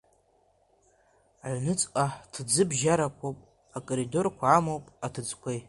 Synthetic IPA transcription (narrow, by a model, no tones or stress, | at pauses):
aʕʷnɨt͡sʼqʼaħtʰd͡zɨbʒaɾakʷʰowpʼ | akʼoɾido̞rkʷʰaːmowpʼatʰɨd͡zkʷʰej